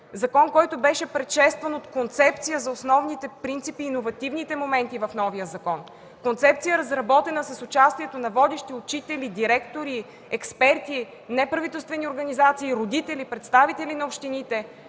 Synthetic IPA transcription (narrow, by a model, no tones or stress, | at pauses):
zɐkɔnkɔjt̪ʊbɛʃɛpɾɛt̪ʃɛst̪vənot̪kont̪sɛpt̪sijəzɐosnɔvnit̪ɛpɾint̪sipiːnovɐt̪ivnit̪ɛmomɛnt̪ivɐfnɔvijəzɐkɔn | kont̪sɛp̚tsijəɾɐzɾɐbɔt̪ɛnəsɐsʊt͡ʃast̪iɛt̪onɐvɔd̪ɛʃt̪iʊt͡ʃit̪ɛlid̪iɾɛkt̪oɾi | ɛkspɛɾt̪i | nɛpɾɐvit̪ɛlˠst̪vɛnioɾɡɐnizat̪siːɾod̪it̪ɛlipɾɛt̪st̪avit̪ɛlinɐopʃt̪init̪ɛ